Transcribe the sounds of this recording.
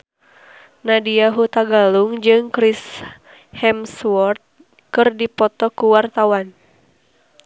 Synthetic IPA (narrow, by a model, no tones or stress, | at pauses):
nadiaɦut̪aɡaluŋd͡ʒɨŋkɾis | hɛmswɔrt̪̚ | kɨrdipɔt̪ɔkuwart̪awan